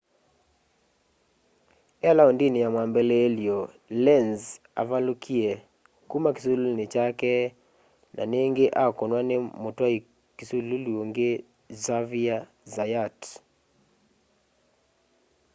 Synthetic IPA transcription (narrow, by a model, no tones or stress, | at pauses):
alaɔndinijamwambɛlɛːlio | lɛnz | a̰valukʰiɛ | kumaki̥sululnet͡ʃakɛ | na̰neŋɡeʔakɔnwanemotwai | kisululioŋɡe | zavia | zajat